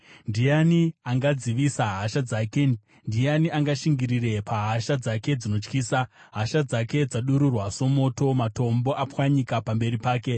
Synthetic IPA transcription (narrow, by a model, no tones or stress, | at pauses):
ndijaniaŋɡad͡ziʋisaɦaʃad͡zake | ndijaniaŋɡaʃiŋɡiɾire̞pʰaɦaʃad͡zake̞d͡zino̞t͡ʃkiːsa | ɦaʃad͡zake̞d͡zaɗuɾurwaso̞mo̞to̞mato̞mbo̞ʔapwaɲikapambe̞ɾipaːke̞